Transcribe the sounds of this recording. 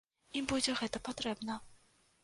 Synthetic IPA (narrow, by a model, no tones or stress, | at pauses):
ibud͡zʲɛɣɛt̪ɐpɐt̪ɾɛbnɐ